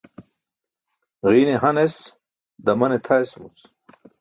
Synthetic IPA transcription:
ʁiːneɦɐnes | d̪ɐmɐnet̪ʰaesmṵt͡s

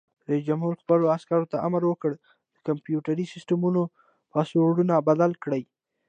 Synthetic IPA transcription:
d̪əd͡ʒamhuɾxpəloaskaɾot̪aʔamaɾwəkəɽ | d̪̥əkampjuʈaɾisɪsʈamuno | pɑsowɽunabad̪alkɽəj

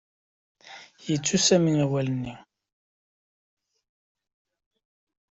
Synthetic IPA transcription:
jət͡sːusæminæwælənːi

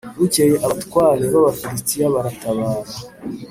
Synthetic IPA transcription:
βucejeʔaβatkwaːɾeβaβafiɾistijaβaɾatʰaβaːza

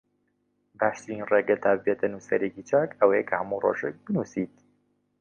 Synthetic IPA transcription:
baːʃt̪ɨɾinreɡɐt̪ʰabbet̪ɐnuːsɐ̰ɾekit͡ʃʰakɐwejɛkʰɐhɐmuro̰ʃɛk̚bɨnusiːt̪

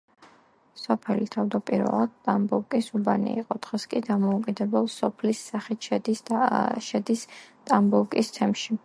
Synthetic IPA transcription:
sɔpʰɛlit̪ʰavd̪apʼiɾvɛ̰lˠak̚t̪ʼambuɾkʼisubanḭḭqʼɔd̪̥ʁɛskʼid̪amɔukʼid̪ɛbɛlˠsɔpʰlisːaχit̪ʰʃɛiʃɛd̪ist̪ʼambulkʼist̪ʰɛmʃi

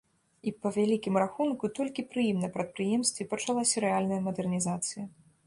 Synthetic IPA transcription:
ipɐvʲalʲikʲimraxunkut̪ɔlʲkʲipɾɨjimnɐpɾɐt̪̚pɾɨjɛmst̪vʲipɐt͡ʂalˠasʲɐɾɛalʲnɐjɐmɐd̪ɛrnʲizat̪sɨjɐ

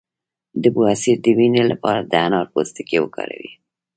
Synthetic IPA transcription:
d̪əbuasiɾd̪əwinelapɑɾad̪əanɑɾpost̪ɪkewəkɑ̰ɾa̰wi

